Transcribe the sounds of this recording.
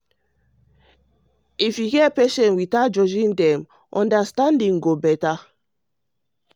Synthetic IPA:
ifjihɛpɛʃɛ̃nwitad͡ʒɔd͡ʒĩndɛ̃m | ʔɔ̃ndastãndĩŋɡobɛta

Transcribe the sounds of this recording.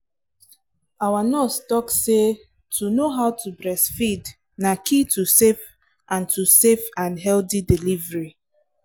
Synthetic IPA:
awanɔstɔkse | tʰunoɦaʊwtubɹɛsfid | nakitusef | ʔãntusefãnɦɛltidilivɹi

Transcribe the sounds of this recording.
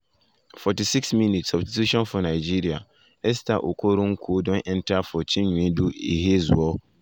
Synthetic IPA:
fɔtisiksmĩnitsɔbstitʰuʃɔ̃nfʊnãid͡ʑiɾia̰ | ɛs̬ta̰ʔo̰kʰoɾũŋ̩kʰuodɔ̃nʔɛ̃ntʰafɔt͡ɕʰĩɲũduḛɦezṵɔ

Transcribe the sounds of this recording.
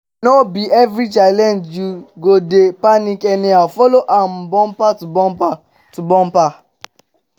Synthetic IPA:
nɔbiɛvɹit͡ʃalɛ̃nd͡ʒjuɡodepanikɛniafɔloʔãmbɔ̃mpatubɔmpa | tubɔ̃mpa

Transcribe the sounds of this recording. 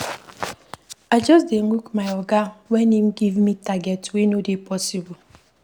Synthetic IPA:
ad͡ʒɔsdeŋukmajɔɡawenim̩ɡivmitaɡɛtwenodepɔsibʊ

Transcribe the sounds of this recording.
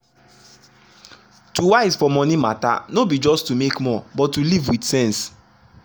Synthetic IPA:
tuwaɪzfɔmɔ̃nimata̰nobid͡ʒɔstumekmɔbɔtːulivwidsɛ̃ns

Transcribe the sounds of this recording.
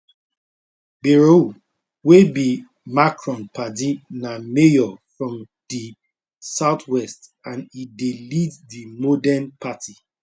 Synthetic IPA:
biɹo | webi | makʰɹɔ̃npʰatinamejɔfɹɔ̃m | di | saʊtʰwɛstãnideliddimɔdɛnpati

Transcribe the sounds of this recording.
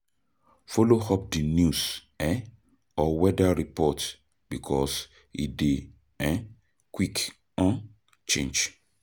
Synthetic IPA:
folohɔp̚dinjus | ɛ | ɔwɛdaɾipɔt | b̥ikʰɔs | ḭde | ɛ̃ | kwik | ɔ̃n | t͡ʃḛ̃nd͡ʒ

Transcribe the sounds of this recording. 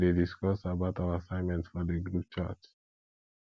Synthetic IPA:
dediskɔsabaʊtawaasãɪ̃nmɛ̃ntsfɔdəɡɹup̚t͡ʃa̰t͡ʃ

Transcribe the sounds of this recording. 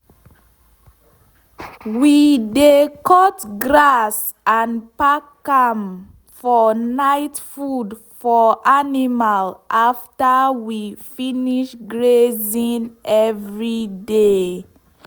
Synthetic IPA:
widekʰɔtɡɹas | ãnpakam | fɔnaɪtfud | fɔʔanimalʔaftawifiniʃɡɹezĩnɛvɹide

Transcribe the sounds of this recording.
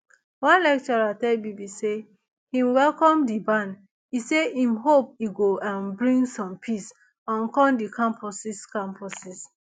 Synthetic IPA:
wãnlɛk̚t͡ʃɔɹatɛbibise | hĩmwɛlkɔ̃mdibãn | iseĩmɦop̚iɡoãnbɹĩŋɡsɔ̃mpʰis | ãnkɔ̃ndikãmpʰɔsiskãmpʰɔsis

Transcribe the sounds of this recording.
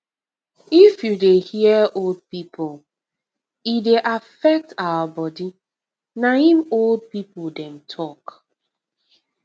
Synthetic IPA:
ifjudehiəold̚pipʰʊl | ideʔafɛk̚tawəbɔdi | nahĩmold̚pipʊldɛ̃mtʰɔk

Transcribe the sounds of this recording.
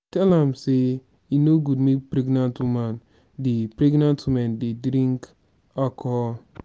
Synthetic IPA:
tɛlãmse | jinoɡudmepɾɛɡnãntwumãn | depɹɛɡnãntwumãndedɾĩŋk | akʰɔ

